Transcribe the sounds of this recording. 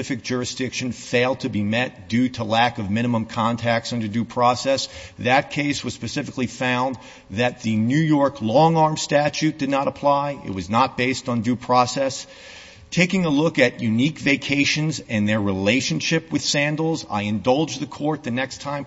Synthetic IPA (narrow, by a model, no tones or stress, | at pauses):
ɪfɨk̚d̥ʒ̥ʊɹɨsd̥ɪkʃɨ̃nfeɪlˠd̚tʰɨbimɛt̚d̥ʉɾəlækʌvmɪ̃ɾ̃ɨmə̃mkʰɑ̃ntʰæk̚tsʌ̃ndə˞dʉpʰɹ̥ɔsɛsðɨt̚kʰeɪswʌz̥spɨsɪfɨklifãʊ̃n | ðɨt̪̚ðɨnʉjɔɹkʰlɔ̃ŋɑɹmstæt͡ʃʉt̚d̥ɨdⁿnəɾəpʰl̥aɪɪ̰t̚wʌznət̚b̥eɪstn̩dʉpʰɹ̥ɔsɛs | tʰeɪkɪ̃ŋəlʊkɨʔjʉnikveɪkʰeɪʃɨ̃nzɨ̃nðə˞ɹileɪʃɨ̃nʃɪpwɨð̥sæ̃ndl̩ˠza̰ɪɨ̃ndʌlˠd͡ʒðɨkʰɔɹt̪̚ðɨnɛkstʰãɪ̃m